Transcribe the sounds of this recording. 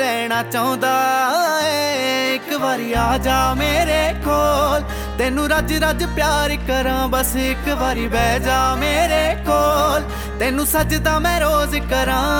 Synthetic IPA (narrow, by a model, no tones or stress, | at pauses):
ɾɛːɽ̃aːt͡ʃaõːd̪aːɛɪkʋaːɾiːaːd͡ʒaːmeːɾeːkoːl | t̪eːnũːɾəd͡ʒɾəd͡ʒpjaːɾɪkəɾãːbəsɪkʋaːɾiːbɛːd͡ʒaːmeːɾeːkoːl | t̪eːnũːsəd͡ʒd̪aːmɛ̃ːɾoːzkəɾãː